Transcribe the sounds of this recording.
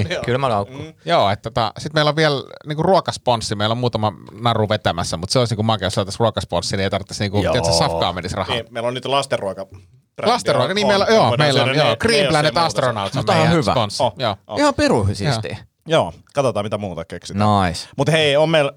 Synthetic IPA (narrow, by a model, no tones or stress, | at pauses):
kylmælɑukːujoːet̪ːot̪ɑ̰sit̪meiloʋʋiɛlniːŋkuruokɑsponsːimeilommuːt̪ɑmɑnɑruʋet̪æmæsːæmut̪seolisniːkumɑkeosɑˑt̪ːɑsruokɑsponsːinieit̪ɑrʋt̪ːesniːŋkuiet̪sesɑfkɑ̰ːmenisrɑ̰hɑmeilonnyt̪lɑst̪erːuokɑ | rlɑst̪eruokɑniːmmeilojoːmeilːonjoːkriːmlænnet̪ɑst̪ronɑut̪omohɑhyʋsæ̰ponsːijoːihɑmpiruhysisːt̪ḭ | joːkɑt̪ot̪ɑːmit̪æmuːt̪ɑkeksitnɑismut̪heiommeil